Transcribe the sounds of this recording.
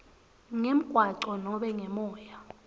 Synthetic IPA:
ŋem̩kʼwaǀɔnɔɓɛŋɛmɔːja

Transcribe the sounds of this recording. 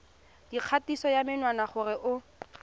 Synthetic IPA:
d̥iq͡χʰatisɔjamɪnwanaχʊrɪʔʊ

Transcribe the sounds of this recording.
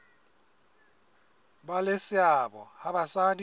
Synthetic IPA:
balesɪabɔ̰abasad

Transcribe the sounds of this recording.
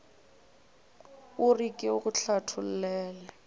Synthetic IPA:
ʊrikʼɪʊkʼʊɬatʰʊl̩lɛːlɛ

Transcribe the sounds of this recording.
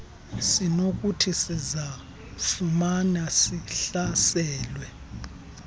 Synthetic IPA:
sinok̬ʼutʰisiza | fumanasiɬasɛːlwɛ

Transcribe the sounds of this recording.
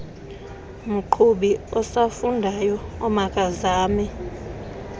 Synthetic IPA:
m̩ǃʰuɓiɔsafundʱajɔɔmakʼazaːmi

